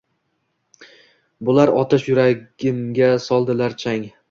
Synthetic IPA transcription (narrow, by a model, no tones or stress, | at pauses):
bʊlaɾɒt̪ʰɪʃjʊɾaɡʲɪmɡʲasɒlˠd̪ɪlaɾt͡ʃʰaŋ